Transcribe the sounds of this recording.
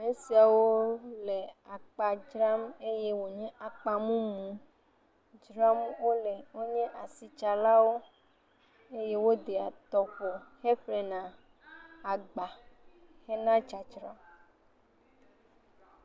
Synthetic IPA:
mẽ˦si˨a˨wo˦lɛ˨a˨k͡pa˨d͡ʒɾa˦me˦je˦wo˨ɲɛ̃˦a˨k͡pa˨mũ˦mũ˨ | d͡ʒɾa˦mwo˦lɛ˨wo˦ɲɛ̃˦ʔa˨si˨t͡ʃa˨la˦wo˦ | e˦je˦wo˦d̪e˨a˨t̪ɔ˨ɸo˨xe˦ɸlɛ˨nã˨ | a˨ɡ͡ba˨ | hɛ˦nã˦d͡ʒa˨d͡ʒɾa˦m

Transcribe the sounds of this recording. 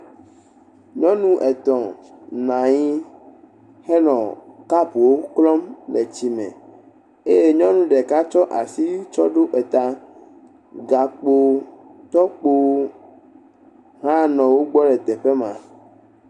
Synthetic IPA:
ɲɔ̃˦nũ˦ʔɛ˨t̪ɔ̃˨nã˨ɲĩ˦ | hɛ˦nɔ̃˨ka˦pu˨wo˦klɔ˦mlɛ˨t͡ɕi˨mɛ̰̃˨ | e˦je˦ɲɔ̃˦nũ˦ɖɛ˨ka˦t͡ʃɔ˦ʔa˨si˦t͡ʃɔ˦ɖo˦ʔɛ˨t̪a˨ | ɡa˨k͡po˦ | t̪ɔ˦k͡po˦ | ɦã˦nɔ̃˨wo˦ɡ͡bɔ˦ɖɛ˨t̪ɛ˨ɸɛ˦mã̰˨

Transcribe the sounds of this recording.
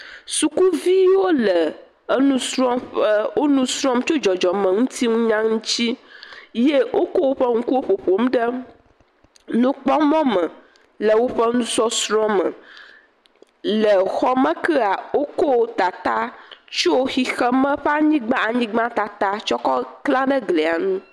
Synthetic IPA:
su˨ku˦vi˦wo˦lə˨ | ə˦nũ˦sɾɔ̃˦mɸə˦wo˦nũ˦sɾɔ̃˦mt͡ʃo˦d͡ʒɔ˨d͡ʒɔ˨mə̃˨ŋũ˦t̪i˦ŋũ˦ɲã˦ŋũ˦t͡ɕi˦je˦wʔo˦ko˦wo˦ɸə˦ŋũ˦ku˦wo˦ɸo˨ɸo˨mɖə˦ | nũ˦k͡pɔ˦mɔ̃˦mə̃˨ | lə˨wo˦ɸə˦nũ˦sɔ˦sɾɔ̃˦mə̰̃˨ | lə˨xɔ˦mə̃˦kɛ˦a˨wo˦ko˦wo˦t̪a˨t̪a˦t͡ʃo˦xi˦xə˦mə̃˦ɸɛ˦a˨ɲĩ˦ɡ͡bã˦a˨ɲĩ˦ɡ͡bã˦t̪a˨t̪a˦t͡ʃɔ˦kɔ˦klã˦ɖə˦ɡle˨a˨nũ˦

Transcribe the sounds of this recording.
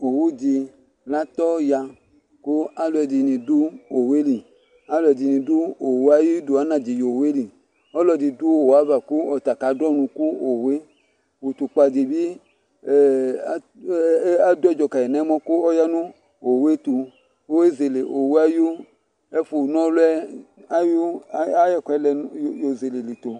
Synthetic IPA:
o˨wu˦di˨ | la˦t̪ɔ˦ja˨ | ku˦a˦lo˨ɛ˨di˨nĩ˨du˦o˨we˦li˨ | a˦lo˨ɛ˨di˨nĩ˨du˦o˨wa˦ji˦do˨a˦nã˨di˨jo˨we˦li˨ | ɔ˦lɔ˨di˨du˦o˨wa˦va˨ku˦ɔ˨t̪a˨ka˨˦dɔ˦nũ˧ku˦o˨we˦ | wu˨t̪u˨k͡pa˨di˨bi˦˨˦ | a˦dɔ˦˨d͡ʒɔ˨ka˨jɛ˨nã˨˦mɔ̃˦ku˦ɔ˦ja˦nũ˦ | o˨we˦t̪u˧ | o˦we˦ze˨le˨ʔo˨we˦a˦ju˦ | ɛ˦fu˨nɔ̃˦lu˦ɛ˦a˦ju˦a˦jɛ˦kɛ˦lɛ˨jo˨ze˨le˨li˨t̪o˨

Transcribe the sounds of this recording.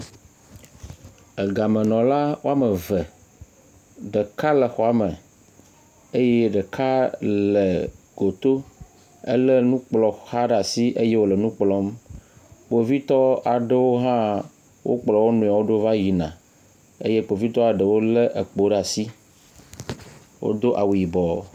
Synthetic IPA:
ə˨ɡa˨mə̃˨nɔ̃˨la˦wo˦a˦mə˨və˨ | ɖə˨ka˦lə˨xɔ˨a˨˦mə̃˨ | e˦jɛ˦ɖə˨kʰa˦lə˨ | ɡ̥o˨t̪o˦ | ə̰˦lə˦nũ˦k͡plɔ˨xa˦ɖa˨si˦ʔe˦je˦wo˦˨lə˨nũ˦k͡plɔ˨˦m | k͡po˨vi˦t̪ɔ˦a˨ɖə˦wo˦ɦã˦ | wʔo̰˦k͡plɔ˨wo˦nũ˨a˨wo˦ɖə˦va˦ji˨nã̰˨ | ḛ˦je˦k͡po˨vi˦t̪ɔ˦a˨ɖə˨wo˦lə˦ʔə˨k͡po˨ɖa˨si˦ | wo̰˦d̪o˦ʔa˨wu˨ji˨bɔ˨

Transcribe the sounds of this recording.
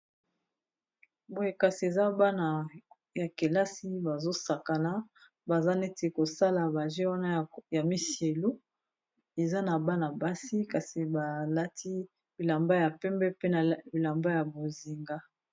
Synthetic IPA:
bo˨je˨ka˨si˨e˨za˦ba˦na˨ | ja˨ke˨la˦si˦ba˨zo˦sa˨ka˨na˦ | ba˨za˦ne˦te˨ko˨sa˦la˨ba˨ʒe˦wa˦na˦˨ja˨mi˦sje˨lo˦ | e˨za˦na˨ba˦na˨ba˦si˦ka˨si˨ba˨la˦tʰi˦ | bi˨la˨mba˦ja˨pɛ˦mbɛ˦pe˦na˨bi˨la˨mba˦ja˨bo˨zi˨ŋɡa˦

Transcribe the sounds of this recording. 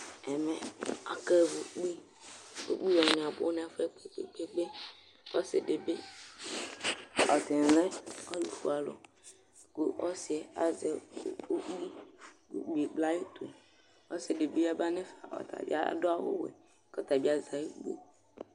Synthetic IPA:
ɛ˨mɛ˨a̰˨ke˦˨vo˨k͡pi˦ | o̰˦k͡pi˦wɔ˨nɛ̃˨a˨bo̰˦nɛ̃˨a˨fe˦k͡pe˨k͡pḛ˨k͡pe˦ɡ͡be˦ | ɔ˦se˨ɖe˨be˦ | ɔ˨t̪e˨lɛ̃˦ɔ˦lu˨fṵ˦a˨lo̰˨ | ko˦ʔɔ˦si˨ɛ˨a˨ze˨o˦i˦kṵ˦ɡ͡bi˨e˨ɡ͡bla˦je˦t̪ʰo˨ | ɔ˦se˨de˨bi˦a˦ba˦nɛ˦fa˨ʔɔ̰˨t̪a̰˨bḭ˦a̰˦do˦a˦wo̰˦wḛ˨ | ke˦t̪a˨bi˦a˦za˨je˦ɡ͡bo̰˦

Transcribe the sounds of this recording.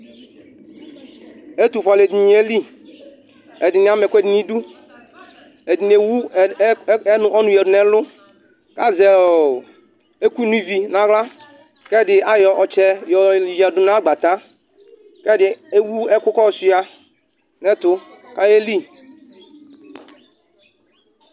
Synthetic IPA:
e˦t̪u˨fa˨le˨d̪i˨ɲ˨˦e˦li˦ | ɛ˨dɪ˨n˨a˦mɛ˨kʷe˦dɪ˨nĩ˦du˦ | e˨di˨n˨e˨wu˦ | nʊ˨ʔɔ˦nũ˨jɛ˨dʊ˨nɛ˨˦lʊ˦ | ka˦zɛ˨ | e˦ku˦nũ˦vi˨nã˦ɣla˦ | kɛ˦˨dɪ˨a˦jɔ˨ʔɔ˨t͡ʃɛ˨jɔ˨i˨jɛ˨dʊ˨n˦a˦ɡ͡ba˨t̪a˦ | kɛ˦dɪ˨e˦wu˦ɛ˦kʊ˦kɔ˦˨si˦a˨ | nɛ˦t̪ʊ˦ | ka˦je˦li˦

